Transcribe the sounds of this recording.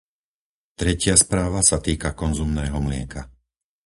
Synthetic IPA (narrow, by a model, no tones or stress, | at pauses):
t̪ɾɛcɪaspɾaːʋasat̪iːkakɔnzumnɛːɦɔmlɪɛka